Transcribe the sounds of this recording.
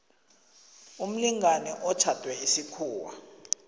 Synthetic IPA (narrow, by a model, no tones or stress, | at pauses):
um̩liŋanɛʔɔt͡ʃʰatʼwɛisikʰuːwa̰